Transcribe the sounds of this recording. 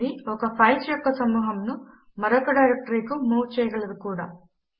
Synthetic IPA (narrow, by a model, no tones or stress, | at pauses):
iɔkɐpʰɐjt͡ʃjɔkːɐsɐmuːɦɐmnu | mɐɾɐkɐɖɐjɾɐk̚ʈɐɾiːkumuːt͡ʃɛjɐɡɐɭɐd̪ukuːɽa̰ː